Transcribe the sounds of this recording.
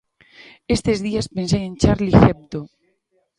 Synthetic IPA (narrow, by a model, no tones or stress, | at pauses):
est̪ezðiaspensejent͡ʃaɾliθep̚t̪o